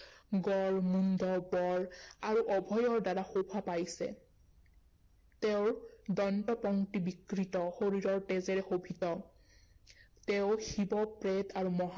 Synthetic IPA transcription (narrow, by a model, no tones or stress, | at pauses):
ɡɔɹmundʱɔbɔɹaɹuʔɔbʱɔjɔɹdaɹaxobʱapajsɛ̰ | tɛʊɹdɔntɔpɔŋtibikɹitɔxoɹiɹɔɹtezɛɹɛxobʱitɔ | tɛʊxibɔpɹɛtaɹumɔɦ